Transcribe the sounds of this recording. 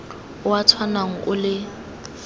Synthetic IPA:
ʊwatʰwanaŋ̩ʔʊlɪ

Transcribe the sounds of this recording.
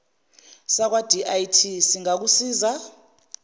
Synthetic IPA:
sak̬wad̥ʱiʔajtʰisiŋak̬usiːza

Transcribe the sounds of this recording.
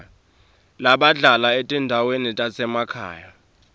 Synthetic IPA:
laɓaɮʱalaetʼindʱawenitʼasɛmakʰa̰ːja

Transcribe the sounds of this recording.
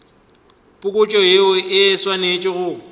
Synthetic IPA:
pʼʊkʼʊt͡ʃʼɔeʊɪswanet͡ʃʼɪɣʊ

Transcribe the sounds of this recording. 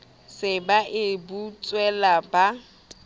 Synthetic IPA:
sɪbaʔɪbut͡sʼwɛlaba

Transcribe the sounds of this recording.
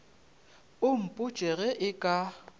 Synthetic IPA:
ʊm̩pʼʊt͡ʃʼɛɣɛʔɪkʼa

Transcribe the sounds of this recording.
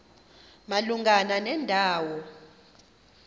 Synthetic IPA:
maluŋʱananɛndʱaːwɔ

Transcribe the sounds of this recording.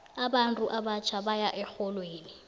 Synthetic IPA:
abantʼuʔabat͡ʃʰabajaʔɛxɔlweːni

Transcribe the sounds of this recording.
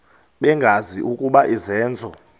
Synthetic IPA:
ɓɛŋɡʱaziʔukʼuɓaʔizɛːnd͡zʱɔ

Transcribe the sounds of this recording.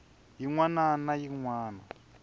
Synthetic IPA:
jiŋwananajiŋwaːna

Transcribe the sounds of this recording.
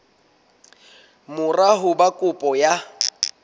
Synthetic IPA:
mʊraɦʊbakʼʊpʼɔja

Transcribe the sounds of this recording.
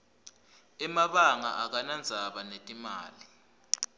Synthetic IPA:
ɛmaɓaŋa̰ʔak̬anand͡zʱaɓanetʼima̰ːli

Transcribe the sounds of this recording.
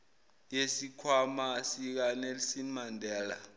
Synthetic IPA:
jesikʰwamasik̬anelisinmandʱɛːla̰

